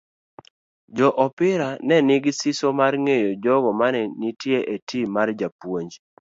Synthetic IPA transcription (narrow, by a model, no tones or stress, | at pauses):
d͡ʒɔʔɔpɪɾanɛnɪɡɪsɪsomarŋejod͡ʒɔɡɔmanɛnitjeʔetimard͡ʒapwoɲd͡ʒ